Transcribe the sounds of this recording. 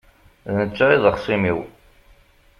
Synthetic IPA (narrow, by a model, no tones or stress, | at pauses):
ðnət͡sːaɾiðˤəχsˤimiw